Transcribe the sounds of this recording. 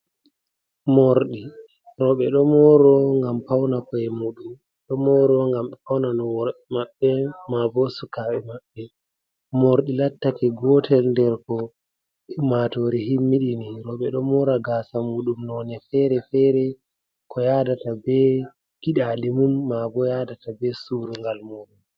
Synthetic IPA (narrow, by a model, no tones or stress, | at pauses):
moɾɗi | ɾɔɓɛɗɔmɔɾɔŋɡampawnakɔɛmuɗum | ɗɔmɔɾɔŋɡamɛpawnanɔwɔɛmaɓːɛmabɔsukaɓɛmaɓːɛ | moɾɗilatːakɛɡɔtʰɛlndɛɾkɔ | imatɔɾɛɦimːiɗiniɾɔɓɛɗɔmɔɾaɡaːsamuːɗumnɔnɛfɛɾɛfɛɾɛ | kʰɔjadatabɛ | ɡ̥iɗalimumːabɔjadatabɛsuːɾuŋɡalmuːɗum